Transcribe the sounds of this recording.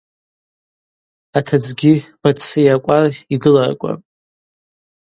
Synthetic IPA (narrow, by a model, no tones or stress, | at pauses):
atʰad͡zɡʲib̥at͡sʰːɨjakʷʼariɡɨlarkʷʼa̰pʼ